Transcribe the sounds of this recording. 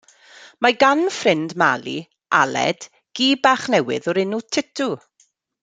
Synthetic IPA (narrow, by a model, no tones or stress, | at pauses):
maɡanfrɪndmalḭ | ʔalɛ̰d̥ | ɡ̥iːbaχnɛwɪðɔɾɪnutʰɪtʰu